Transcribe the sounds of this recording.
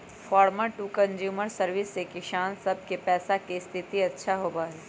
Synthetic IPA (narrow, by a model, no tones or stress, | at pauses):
fɔːɾməɾʈuːkɐ̃nzjuːməɾsɐɾʋɪsːekɪʃaːnsɐb̚ʱkepɛːsakist̪ʰɪt̪iɐtːʃʰaɦoːbaːɦɛː